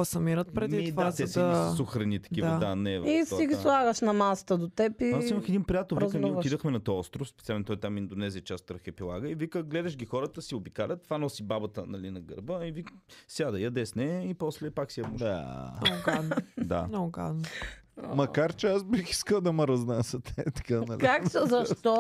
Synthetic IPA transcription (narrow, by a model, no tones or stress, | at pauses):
asɐmiɾət̪̚pɾɛmiidvast̪ɛsssoxɾɐnit̪ɐ̥k̟iɐd̪anɛvisiɡʲislˠaɣəʃnɐmasə̥t̪əd̪ot̪ɛpiasiməxɛd̪inpɾijat̪ɛlˠvizkənɛod̪əxmɛnɐt̪ɔɔst̪ɾʊfspɛt̪sialnt̪ɔjt̪amind̪onɛziət͡ʃast̪ɾəxɛpilˠa̰ɡəivikəɡlɛd̪ɐʃɡʲixɔɾət̪əsiobikalʲət̪̚t̪ːvanɔsibabɐt̪ə̰nɐlinɐɡə̰ɾbəivikəsjad̪ɐjɐd̪ɛsnɛipɔslɛpaksiɐmʊla̰nɡad̪nd̪a̰nɔɡa̰d̪n̰ | mɐkaɾt͡ʃɛasbixi̥skəlˠd̪ɐməɾɐznasət̪ɛt̪kanɐliaksəzɐʃt̪ɔ